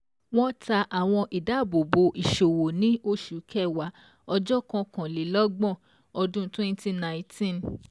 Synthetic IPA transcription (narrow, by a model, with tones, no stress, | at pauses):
w̃ɔ̃˦ta˧ʔa˨w̃ɔ̃˧ʔi˨da˨˦˨bo˨bo˧ʔi˨ʃo˨wo˨nĩ˨˦o˦ʃu˨˦kʰɛ˦˨wa˨˦ | ɔ˧d͡ʒɔ˦kã˧kã˨le˨˦lɔ˦ɡ͡bɔ̃˦˨ | ɔ˧dũ˦twɛ̃˦n˦ti˦nã˧˨ĩ˨tʰĩ˦˨n